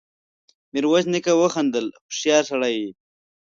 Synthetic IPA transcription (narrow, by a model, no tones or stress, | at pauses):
miɾwaznikawəxand̪əlxʊ̥ʂjɑːɾsaɽaji